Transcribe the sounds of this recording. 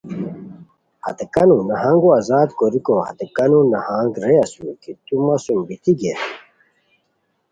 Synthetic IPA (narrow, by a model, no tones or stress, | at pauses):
hɐ̰t̪ekɐnunɐɦaŋɡuɐzaːd̪koɾikohɐ̰t̪ekɐnunɐhaːŋɡɾeɐsukit̪umɐsumbit̪iɡe